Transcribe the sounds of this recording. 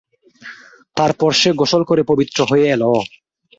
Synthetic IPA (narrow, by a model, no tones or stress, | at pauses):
t̪aɾpɔɾʃeɡoʃolkoɾepobit̪ːɾoɦojeɛlɔ